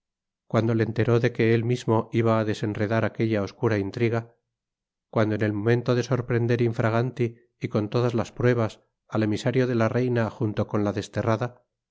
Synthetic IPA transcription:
kwand̪o̞lent̪e̞ɾo̞ðe̞ke̞elmizmo̞iβaːðe̞se̞nre̞ðaɾake̞ʎao̞skuɾaint̪ɾiɣa | kwand̪oene̞lmo̞mẽ̞nt̪o̞ðe̞so̞ɾpɾe̞nd̪e̞ɾiɱfɾaɣ̞ant̪iː | ko̞nt̪o̞ðazlaspɾwe̞β̞as | ale̞misaɾjo̞ðe̞lare̞jnaxunt̪o̞ko̞nlaðe̞st̪e̞raða

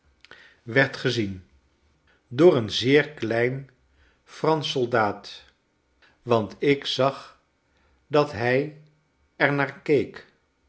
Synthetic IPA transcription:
ʋɛɹtχəzin | dʊːɹənzɪːɹklɛjn | frɑnsolˠdaːt | ʋɑntɪksɑχ | dɑtɦɛj | ɛɹnaːɹkejk

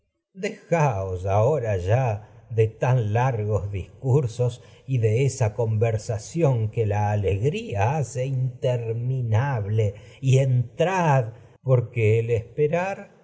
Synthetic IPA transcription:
d̪exaosaoɾaʒaðet̪anlaɾɣo̞zðiskuɾso̞s | iðe̞esako̞mbeɾsasjo̞ŋkelaːleɣɾiaase̞int̪eɾminaβle | ient̪ɾað | po̞ɾkeːlespeɾaɾ

